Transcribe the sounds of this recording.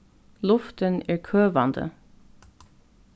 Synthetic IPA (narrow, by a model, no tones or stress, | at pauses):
lʊft̪ənæːɹkʰøːʋɑnd̪ə̰